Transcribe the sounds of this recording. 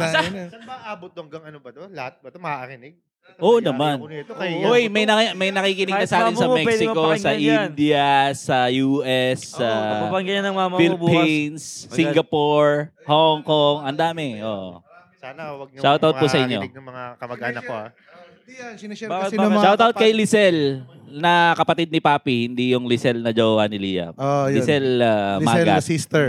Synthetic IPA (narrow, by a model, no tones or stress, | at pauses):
sɐɐaʔaːbot̪̚ɐŋɡɐŋɐnobɐd̪lɐhat̪̚bɐmɾɪnɪɡ̚ | ʔoːʔnɐmanojmɐjnɐkmɐjnɐkiːkɪnɪɡnɐsɐaːɪnsɐmɛkɛsɪkosɐʔɪnd̪ɪɐsɐjuːʔɛsːɐpɐpɐŋɡɐjɐnɐŋmamɐfilpːinssiŋɡɐpoɹhoŋkoŋɐnd̪aːmɛʔoːʔ | aɐʃawt̪awt̪̚pʊsɐʔɪɲːomɐŋakɐmɐɡanɐ | ʃawt̪awt̪̚kɐjlɪsɛlnɐkɐpɐt̪id̪̚nɪpaːpihɪnd̪ijʊŋlɪsɛlnɐd͡ʒowɐnɪliːjɐ̰olɪsɛlamaːɡa̰ist̪ɛ